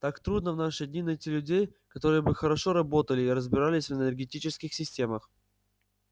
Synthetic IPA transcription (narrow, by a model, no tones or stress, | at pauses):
t̪akt̪ɾud̪nəvnaʂɨdʲnʲinɐjtʲilʲʉdʲejkɐt̪o̞ɾɨjəbɨxəɾɐʂoɾɐbo̞t̪əlʲɪːɾəzbʲɪɾalʲɪsʲvənʲərɡʲɪtʲit͡ɕɪskʲɪxsʲɪsʲtʲe̞məx